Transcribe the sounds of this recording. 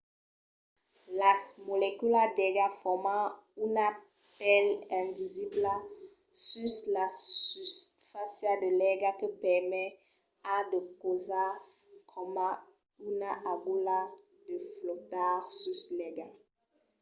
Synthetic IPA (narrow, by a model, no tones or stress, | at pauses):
lasmolekylad̪ɛɡafɔmã | yna | pɛlɛ̃vizibla | syslasystfasjad̪əlɛɡakəpɛʁmɛ | ad̪əkozaskʰɔmã | ynaʔaɡula | d̪əflɔt̪aʁsyslɛɡa